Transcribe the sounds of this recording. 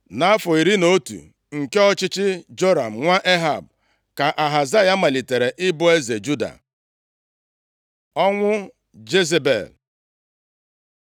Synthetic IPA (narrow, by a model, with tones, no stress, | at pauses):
na˨a˦fɔ˨i˨ɾi˦no˦tṵ˨ | ŋ̩˨ke˦ɔ˦t͡ʃɪ˦t͡ʃɪ˦d͡ʒo˦ɾa̰˨m̩˨ŋʷa˦ʔe˦ɦa˨b̚ | ka˨ʔa˨ɦa˨za˦ja˦ma˨li˨te˨ɾe˨ʔɪ˦bʊ˦e˦ze˨d͡ʒu˦da̰˨ | ɔ˦ŋʷʊ˦ | d͡ʒe˦ze˦bḛ˨l